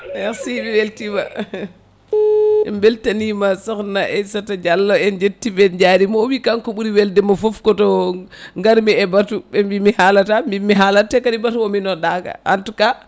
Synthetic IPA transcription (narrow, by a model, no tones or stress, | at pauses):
ɛksibiweltiba | ɛmbɛltanimasɔknaʔɛsatad͡ʒalːɔɛnd͡ʒetːibɛd͡ʒaɾimɔwikaŋkɔɓuɾiwɛldɛmafɔfkɔtɔŋɡaɾmiɛbatuɓɛmbimihalatambimːiɦalatːɛkadibatuwominɔɗaka̰ʔantuka